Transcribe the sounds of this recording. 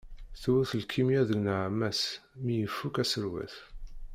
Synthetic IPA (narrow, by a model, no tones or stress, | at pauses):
θwuθəlkʰːimjæðəɡnəʕmæsmijəfːukæsəɾwæ̰θ